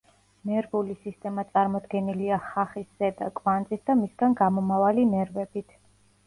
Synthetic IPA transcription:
mɛɾvulisist̪ʼɛmat̪sʼaɾmɔd̪ɡɛniliaχaχisz̥ɛd̪akʼvanzʼisd̪amisɡanɡamɔmavalimɛɾvɛbit̪ʰ

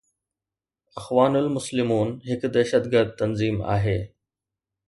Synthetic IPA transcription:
ɐxʋaːnʊlmʊslɪmuːnɦɪkd̪ɐʃət̪ɡəɾd̪̚t̪ɐnziːma̰ːɦeː

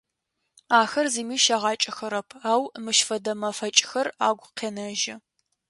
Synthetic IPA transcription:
aːxɐrzimiːʃɐʁɑːt͡ʃʼɐxɐɾɐpʰaːwmɨʃfɐdɐmɐfɐt͡ʃʼɪxɐraːɡʷqeːnɐʒɪ

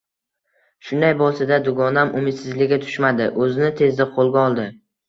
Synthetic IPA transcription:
ʃʊnd̪ajbɒsɪd̪ad̪ʊɡɒnamʔʊmɪd̪sɪzlɪɡʲat̪ʰʊ̥ʃmad̪ɪʔɵzɪnɪt̪ʰe̞zd̪ɪqʰolˠɡʲaɒlˠd̪ɪ

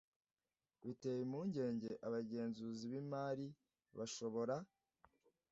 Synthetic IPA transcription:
βite̞ːjimuːɲɟe̞ːɲɟe̞ʔaβaɟe̞ːnzuːziβimaːɾi | βaʃo̞βo̞ɾa

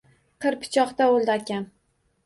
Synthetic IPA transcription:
qʰɨɾpʰɪ̥t͡ʃʰɒqt̪aolˠd̪akʲan

